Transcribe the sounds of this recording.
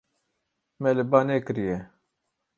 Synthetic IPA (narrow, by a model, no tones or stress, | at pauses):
mɛlɨbɑːnekɨɾijɛ